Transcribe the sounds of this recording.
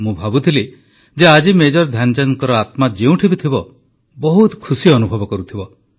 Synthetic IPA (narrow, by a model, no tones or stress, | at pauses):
mũbʱabut̪ʰili | d͡ʒead͡ʒimed͡ʒɔɾd̪ʱjand͡ʒaŋkɔɾɔat̪mad͡ʒeũʈʰibit̪ʰibɔ | bɔɦut̪kʰusiɔnubʱɔbɔkɔɾut̪ʰibɔ